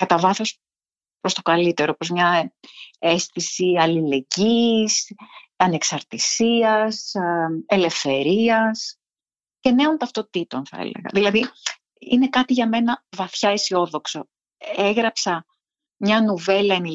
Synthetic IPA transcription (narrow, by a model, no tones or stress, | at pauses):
kɐt̪ɐvɐθo̞s | pɾo̞st̪o̞kɐlit̪e̞ɾopo̞zmɲɐ | e̞st̪isiɐlile̞ɟisɐne̞ksɐɾt̪isiɐs | ele̞fθe̞ɾiɐs | ce̞ne̞ont̪ɐft̪o̞t̪it̪o̞nθɐ̰ḛlḛɣɐ̰ðilɐði | ḭne̞kɐt̪iʝɐme̞nɐvɐθçɐisio̞ðo̞kso | eɣɾɐpsɐ | mɲɐnuve̞lɐeni